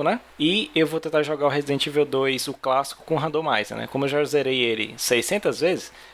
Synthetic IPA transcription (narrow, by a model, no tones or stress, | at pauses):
ʊnɛ | ɪewvowt̪ẽnt̪aɾʒɔɡaɾʊɦezid̪ẽnt͡ʃɪvewd̪ojzʊklasi̥kʊ̥kõɦɐ̃d̪omajzɐ̰nɛ̰kõmʊewʒazeɾejelɪ̰sejsẽnt̪ɐzvezɪs